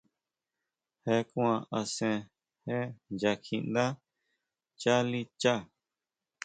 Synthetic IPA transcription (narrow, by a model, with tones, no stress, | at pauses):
he˧kw̃ã˧a˧sẽ˧ | he˦d͡ʒa˧kʰĩ˧nd̪ã˦ | t͡ʃa˦li˦˧t͡ʃa˦˨